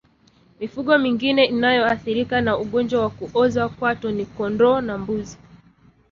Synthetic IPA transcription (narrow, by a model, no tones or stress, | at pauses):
mifuɠɔmiŋɡinɛʔinajɔaθiɾikanauɠɔnd͡ʒwawakuʔɔzakwatɔnikɔndɔːnambuzi